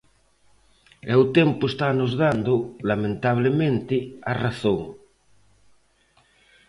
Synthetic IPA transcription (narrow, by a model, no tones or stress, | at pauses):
ɛwt̪ɛmpʊest̪anozðand̪olamẽnt̪aβ̞lemẽnt̪ɪaraθõŋ